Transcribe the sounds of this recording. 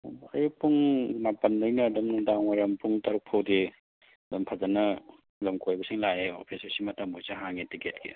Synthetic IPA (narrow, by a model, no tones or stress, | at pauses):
bɐjpʰuŋmapɐnːɐjnɐdɐmnudawŋaɾɐmpʰuŋtaɾuk̚pʰɐwde | dɐmpʰazɐnɐ | lɐmkʰojbɐsiŋlajeo̰pʰisɐsimɐtɐmbojsaɦaŋetiket̚kʰḭ